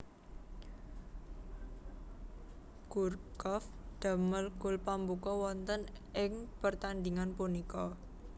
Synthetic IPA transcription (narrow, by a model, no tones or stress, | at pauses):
ɡ̥urkɔfd̪̥a̤məlɡʊlpambukɔwɔnt̪ənʔɪŋpərt̪and̪iŋanpunikɔ